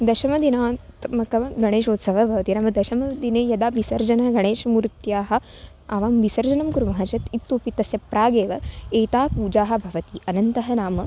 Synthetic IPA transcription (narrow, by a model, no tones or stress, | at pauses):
d̪ɐʃɐmɐd̪inaːt̪mɐkɐmɐɡʱɐɽ̃eːʃoːt̪sɐʋɐbʱɐʋɐt̪inaːmɐd̪ɐʃɐmɐd̪ineːjɐd̪aːʋisɐɾd͡ʒɐnɐɐɡɐɳ̃eːʃɐmuɾt̪jaːɦɐ̆ | ɐʋaːmʋisɐɾd͡ʒɐnɐmkuɾumɐɦɐt͡ʃɐt̪it̪ːoːpit̪ɐsjɐpɾaːɡeːʋɐeːt̪aːpuːd͡ʒaːɦɐ̆bʱɐʋɐt̪iʔɐnɐnt̪ɐɦɐnaːmɐ